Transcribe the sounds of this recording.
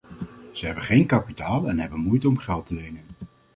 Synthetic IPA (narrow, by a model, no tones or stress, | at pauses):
z̥əɦɛbəχejnkɑpitaːlˠɛnɦɛbənmujtəɔmχɛlˠtəlejnən